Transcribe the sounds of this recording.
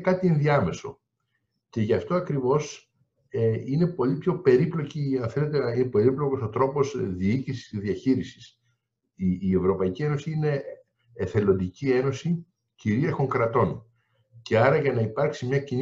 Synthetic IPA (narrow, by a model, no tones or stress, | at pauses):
kɐt̪ienðiɐme̞so̞̰ | ce̞ʝɐft̪o̞ɐkɾivo̞s | eine̞po̞lipço̞pe̞ɾiplo̞ciɐnθele̞t̪einepe̞ɾiplo̞ko̞so̞t̪ɾo̞po̞zðiicisi̥siðiɐçiɾisi̥s | iːe̞vɾo̞pɐicie̞no̞siine̞ː | θe̞lo̞nd̪icie̞no̞si | ciɾieɾxo̞ŋkɾɐt̪o̞n | ce̞ɐɾɐʝɐnɐipɐɾksimɲɐcin